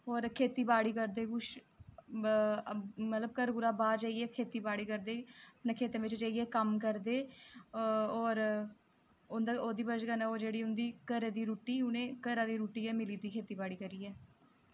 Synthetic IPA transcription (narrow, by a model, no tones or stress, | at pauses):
ɔːɾkʰeːt̪iːbaːɽiːkəɾd̪eːkʊʃ | mət̪ləb̚kəɾɡʊɾaːbaːɾd͡ʒaːiɛːkʰeːt̪iːbaːɽiːkəɾd̪eːəpneːkʰeːt̪ẽːʋɪt͡ʃd͡ʒaːiːɛːkəmkəɾd̪eː | ɔːɾ | ʊnd̪aoːd̪iːbəd͡ʒɡanaːoːd͡ʒeːɽiːʊnd̪iːkəɾeːd̪iːɾuːʈiːʊnẽːkəɾaːd̪iːɾuːʈiːɛːmɪliːd̪iːkʰeːt̪iːbaːɽiːkəɾiːɛː